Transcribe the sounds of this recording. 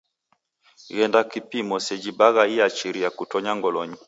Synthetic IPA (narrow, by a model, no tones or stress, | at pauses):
ɣɛndakipimɔsɛd͡ʒibaɣaiat͡ʃiɾiakutɔɲaŋɡɔlɔɲi